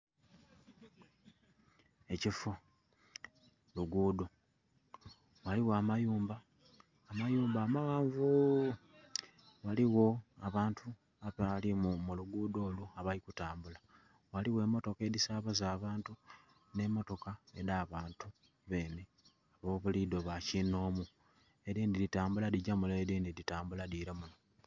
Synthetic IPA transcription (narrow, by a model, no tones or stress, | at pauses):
e̞cifo | luɡuːdo | waliwamajuːmbaː | majuːmbaːmaɣaːɱvu | waliwo̞aβaːntʰu | aβalimumuluɡuːdo̞ːluaβalikutaːmbula | waliwe̞ːmo̞to̞ke̞ːdisaβazaːβaːntu | ne̞mo̞to̞kae̞̰ɾaːβaːntu | βe̞ːne | aβo̞ːβulido̞βacino̞ːmu | e̞ɾiːndiɾitaːmbuladiɟamulaɾiːndiditaːmbuladiɾamuno